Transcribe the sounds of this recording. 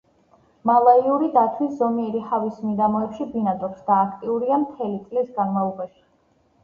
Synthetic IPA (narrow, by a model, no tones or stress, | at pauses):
malˠaiuɾid̪at̪ʰwiszɔmiɛɾihavismiɡ̪amɔɛpʃibinad̪ɾɔpsd̪aːkʰt̪ʼiuɾiamt̪ʰɛlit̪sʼlisɡanmalˠɔbaʃi̥